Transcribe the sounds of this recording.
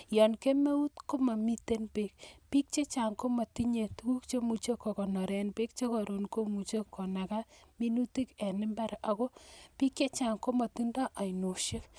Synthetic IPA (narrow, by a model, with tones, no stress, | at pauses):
jɔ˨nke˦me˦u˦tko˦ma˨mi˦te˦npe˦kpi˦k̚t͡ʃe˦t͡ʃa˨ŋko˦ma˨ti˦ɲe˨tku˦kt͡ʃe˦mu˨t͡ʃe˦kːɔ˨kɔ˨nɔ˨ɾɛ˨npe˦k̚t͡ʃe˦kɔ˨ɾo˨nko˦mu˨t͡ʃe˦kʰːɔ˨na˨ka˦mi˦nu˦ti˦kɛ˨nɪ˦mba˦ɾa˨ko˦pi˦kt͡ʃe˦t͡ʃa˨ŋko˦ma˨ti˦ndɔ˦ʔa˨i˨no˨ʃe˦k